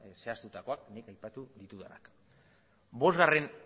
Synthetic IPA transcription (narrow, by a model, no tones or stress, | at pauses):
seast̪ut̪ako̞aknikajpat̪uðit̪uðena̰k | bo̞zɣare̞n